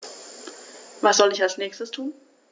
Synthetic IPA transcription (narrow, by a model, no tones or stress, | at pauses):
vasz̥ɔlɪçalsnɛːçstəstʰuːn